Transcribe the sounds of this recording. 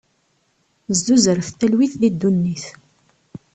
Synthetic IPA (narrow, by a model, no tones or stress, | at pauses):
zd̪uzəɾəθt̪ælwiθðid̪ːunːiθ